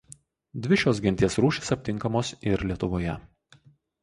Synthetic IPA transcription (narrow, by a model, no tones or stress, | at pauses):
d̪ʲʋʲɪʃʲoːsɡʲɪnʲt̪ʲiɛsɾuːʃʲe̥sɐpʲt̪ʲɪŋˑkɐmoːsɪɾlʲiɛt̪ʊʋoːjɛ